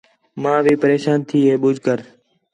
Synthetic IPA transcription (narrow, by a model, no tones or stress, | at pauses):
mãːʋiːpəɾeːʃaːnt̪ʰiːɦeːɓʊd͡ʒʱkəɾ